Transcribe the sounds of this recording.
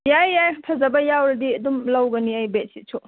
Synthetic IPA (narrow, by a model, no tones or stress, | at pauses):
jajːajʰpʰɐzɐbɐjawɾɐdiɐdumlɐwɡɐniɐjbet̚sit͡ʃʰo